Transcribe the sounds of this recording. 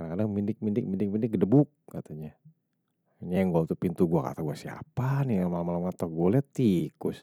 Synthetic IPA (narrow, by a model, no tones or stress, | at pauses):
adaŋkadaŋmindɪk̚mindɪk̚mindɪk̚mindɪk̚ɡədəbʊk̚ːat̪aɲa | iɲajaŋɡuaut̪upint̪uɡuaka̰t̪aɡuasia̰paniamalamalamŋat̪aɡoalɛt̪ikʊs